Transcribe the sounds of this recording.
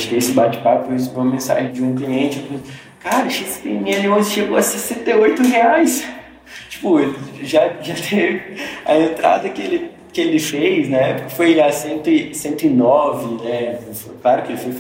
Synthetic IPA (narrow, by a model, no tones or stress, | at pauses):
ʃʊkɪesɪbat͡ʃɪ̥papʊes̬ʊpõmẽsa̰ʒɪ̃d͡ʒɪũkliẽnt͡ʃɪepõ | kaɾɐʃist̪ḛ̃mĩɲɐliõsɪʃeɡoɐsesẽnt̪eojt̪ʊɦeajs | t͡ʃi̥pʊelɪʒaʒat̪ʰevɪɐ̰ẽnt̪ɾa̰d̪ɐkɪelɪ | kɪelɪfejznɐɛpʊ̥kɐfojasẽnt̪ʊɪsẽnt̪ʊɪnɔvɪnɛfklaɾʊkɪelɪfojf